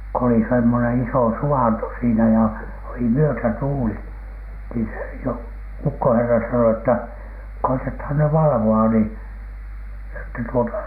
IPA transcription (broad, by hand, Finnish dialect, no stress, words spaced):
ko oli semːonen isoˑ suɑnto siːnæ jɑ oli myøtætuːli niː se joː ukːoherːɑ sɑno tːæ koitethɑn ny ʋɑlɑ̆ʋoɑ ni etːæ tuotɑ